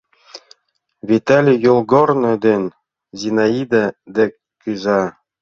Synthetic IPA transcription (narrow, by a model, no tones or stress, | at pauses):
vʲit̪alʲijolˠɡornɤ̆d̪ɘn | zʲinaid̪ɘd̪ɘ̆kːyzɑ